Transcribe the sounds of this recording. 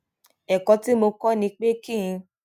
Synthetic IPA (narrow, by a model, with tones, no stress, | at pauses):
ɛ˨kɔ˧ti˦mo˧kɔ˦nĩ˧k͡pe˦kĩ˦˨ĩ˧